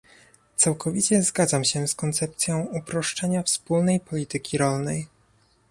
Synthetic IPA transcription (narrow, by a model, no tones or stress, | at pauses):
t̪sawkɔvʲit͡ɕɛzɡad̪zamɕɛskɔnt̪sɛp̚t̪sʲjɔ̃w̃upɾɔʂt͡ʂɛɲafspulnɛjpɔlʲit̪ɘkʲʰiɾɔlnɛj